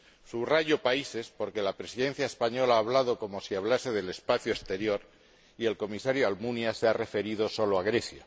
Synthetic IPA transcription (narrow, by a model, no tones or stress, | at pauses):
suβraʝo̞paise̞spo̞ɾke̞lapɾe̞siðẽ̞n̟θjaespaɲo̞laaːβ̞lað̞o̞ko̞mo̞siaβlase̞ðe̞le̞spaθjoest̪e̞ɾjo̞ɾ | ie̞lko̞misaɾjoalmunjaseare̞fe̞ɾið̞o̞so̞loaɣ̞ɾe̞θjo